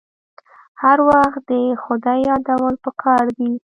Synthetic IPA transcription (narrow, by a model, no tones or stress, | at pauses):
haɾwaxt̪̚d̪əxʊd̪ɑjɑd̪awəlpəkʰɑɾd̪i